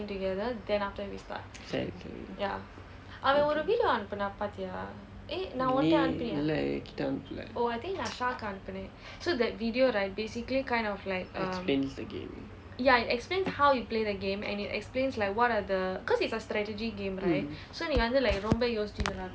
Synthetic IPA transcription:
ĩŋʈuɡɛd̪əd̪ɛ̃nafʈəʋista̰t̚sɛ̰kḭja̰ | ʔamɛ̃oɾuʋiːɖijoãnpənapat̪ja | ʔenãɔ̃nʈaãnpənila̰ki̥ta̰npla̰oaɪt̪ʰĩŋknãʃaːkãnpənẽ | soːd̪ɛt̚ʋiɖioɾaɪʈ̚beːsikəlikãɪ̃ndɔflaɪkʌ̃smplẽːnsd̪əɡḛ̃ːm | jaiʈɛksplẽːnshawjupleːd̪əɡẽːmɛ̰̃nitɛ̰ksplẽːnslaɪkwɔɾad̪əkɔzitsəsʈɾɛʈəd͡ʒiɡẽːmɾaɪtsoɛ̃njuãnd̪əlaɪkɾõmbejoːsd͡ʒizə̃na

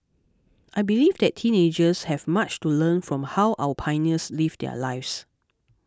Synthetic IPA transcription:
ʔajbilivdɛtʰːĩned͡ʒəshɛvmat͡ʃtulə̃nfɹɔ̃mhawʔa̰wəpʰãɪnəslivdɛ̰laɪfs

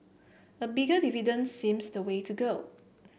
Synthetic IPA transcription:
əbiɡədividə̃nsĩmsdəwetʰuɡo

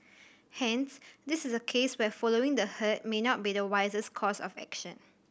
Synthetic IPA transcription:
hɛ̃nsdɪsɪsəkʰeswɛfɔloɪ̃ŋdəhət̚menɔt̚bidəwaɪzəskʰɔsɔ̰fɛ̰kʃə̰̃n

